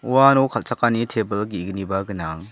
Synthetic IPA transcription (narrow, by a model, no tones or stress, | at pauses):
uwanɔwkʰalt͡ʃakanitʰebəlɡiɡnibaɡɯna̰ŋ